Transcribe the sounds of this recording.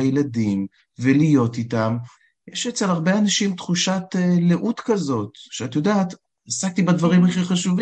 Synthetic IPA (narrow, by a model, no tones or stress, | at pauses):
ajeladim | velijo̞t̪it̪am | jeʃet͡selaʁbeanaʃimt̪χuʃat̪eleʔut̪kazo̞t̪ʃeat̪jo̞daːt̪ | asak̚t̪ibad̪vaʁimaχiχaʃuvi